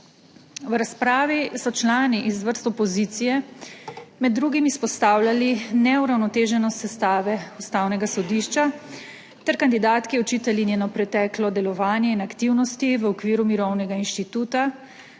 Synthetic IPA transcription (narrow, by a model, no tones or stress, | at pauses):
ʋɾaspɾaːʋisɔt͡ʃlaːniʔizʋəɾst̪ɔpɔzit̪sijɛ | mɛd̪ːɾuːɡimispɔst̪aːwlʲjalinɛuɾawnɔt̪eːʒɛnɔst̪sɛst̪aːʋɛust̪aːwnɛɡasɔd̪iːʃt͡ʃa | t̪ɛɾkand̪id̪aːt̪kiɔt͡ʃiːt̪ɛlinjɛnɔpɾɛt̪ɛklɔd̪ɛlɔʋaːnjɛinakt̪iwnɔst̪iʋəɔkʋiːɾumiɾɔwnɛɡainʃt̪it̪uːt̪a